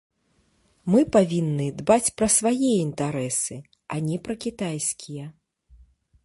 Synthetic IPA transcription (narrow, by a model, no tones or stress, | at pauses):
mɨpavʲinːɨd̪bat͡sʲpɾɐsvajɛint̪aɾɛsɨ | ɐnʲɛpɾɐkʲit̪ajsʲkʲʰijɛ